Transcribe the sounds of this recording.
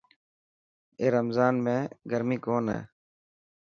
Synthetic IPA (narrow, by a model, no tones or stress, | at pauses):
eːɾəmzaːnmẽːɡəɾmĩːkoːnɦḛː